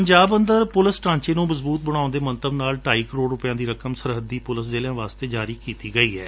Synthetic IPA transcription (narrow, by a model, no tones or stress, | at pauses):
pəɲd͡ʒaːbənd̪əɾpʊləsʈãːɲt͡ʃeːnũːməzbuːt̪̚bəɽ̃ãːʊ̃nd̪eːmə̃nt̪əbnaːlʈaːiːkəɾoːɽɾʊpɪjãːd̪iːɾəkəmsəɾɦəd̪iːpʊlɪszeːljãːʋaːst̪eːd͡ʒaːɾiːkiːt̪iːɡəiːɦɛː